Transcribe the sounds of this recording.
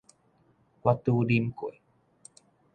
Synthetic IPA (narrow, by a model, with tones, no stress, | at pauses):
wa˧t̪u˧di˧mku˨˩˨